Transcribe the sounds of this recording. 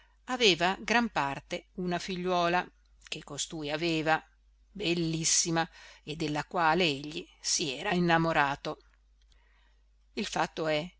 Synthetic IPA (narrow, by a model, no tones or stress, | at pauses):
aveːvaɡɾampart̪eunafiʎːwɔːla | kekost̪uːjaveːva | belːisːimaed̪ːelːakwaːleeʎːisiɛːɾainːamoɾaːt̪o | ilfat̪ːoɛ